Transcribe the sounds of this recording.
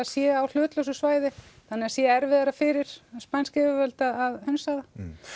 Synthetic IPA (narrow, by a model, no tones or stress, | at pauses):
asjɛawl̥ʏːt̪lœwsʏsvaːjðɪθanːɪasjɛɛɾvɪːðaɾafɪɾɪɾ̥spajnskɛvʏvœlt̪aaðhœnsaða